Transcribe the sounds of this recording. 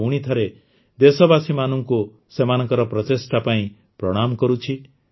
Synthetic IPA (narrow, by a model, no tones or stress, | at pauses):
uɽ̃it̪ʰɔɾe | d̪esɔbasimanɔŋku | semanɔ̃ŋkɔɾɔpɾɔtesʈapaĩ | pɾɔɽ̃amkɔɾut͡ʃʰi